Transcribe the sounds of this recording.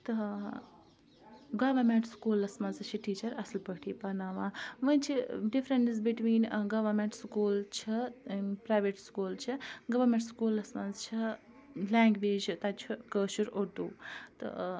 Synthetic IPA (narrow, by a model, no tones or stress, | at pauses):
t̪ə | ɡɐʋɐɾmeɳʈskuːlɐsmɐzt͡ʃʰiʈiːt͡ʃɐɾɐslpəʈʰipɐnaʋãːʋɐ̃nt͡ʃʰiɖifɾenʈizbiʈʋiːnɡɐʋɐɾmẽɳʈskuːlt͡ʃʰɐpɾaːjʋeʈskuːlt͡ʃʰiɡɐʋɐɾmẽɳʈskuːlɐsmɐnzt͡ʃʰi | lãːŋɡʋeːd͡ʒt̪at͡ʃʰukəːʃuɾod̪uːt̪ɨ̰